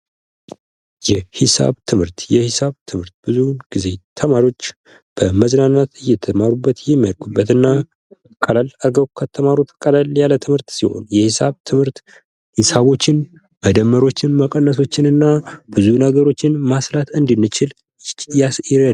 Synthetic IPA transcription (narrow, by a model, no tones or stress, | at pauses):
jɛhɪsa̰βt̪ʰɨmhɨɾt̪jɛhɪsaβt̪ʰɨmhɨɾt̪̚b̥ɨzuɡ̥ize̞t̪ʰəmaɾio̞t͡ʃː | b̥əməznanːat̪ɨjɛt̪ʰəmaɾubːət̪jɛmːijalkʼubːət̪ɨnːa | kʼəlaləɡəwkʰət̪ʰːəmaɾut̪ʰkʼəlaljalət̪ʰɨmhɨɾt̪siho̞̰njɛhisaβt̪ʰɨmhɨɾt̪ | hɪsaβo̞t͡ʃːɪn | məd̪əmːəɾo̞t͡ʃːɪnməkʼənːəs̬o̞t͡ʃːɪnɨnːab̥ɨzunəɡəɾo̞t͡ʃːɪnmaslat̪ɨnd̪ɨnːɨt͡ʃɪl | a